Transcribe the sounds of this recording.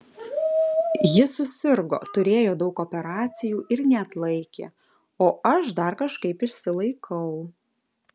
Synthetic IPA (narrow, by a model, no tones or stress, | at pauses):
jɪsʊsʲɪɾɡo̰ːt̪ʊɾʲeːjoːd̪ɒʊkopʲɛɾɑːt̪sʲɪjuːʔɪɾnʲɛɐt̪lˠɐɪkʲḛː | oːɐʃd̪ɐɾkɐʃkɐɪpɪʃʲsʲɪlˠɐɪkʰɐʊ